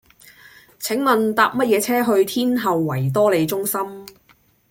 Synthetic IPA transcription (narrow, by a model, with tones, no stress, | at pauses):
t͡sʰɪ˨˥ŋmɐ˨nt̪aː˨p̚mɐ˥t̚jɛː˨˧t͡sʰɛː˥ɦɵ˧ɥt̪ʰiː˥nɦɐ˨wːɐ˨˩jt̪̬ɔː˥le˨˧jt͡sʊ˥ŋsɐ˥m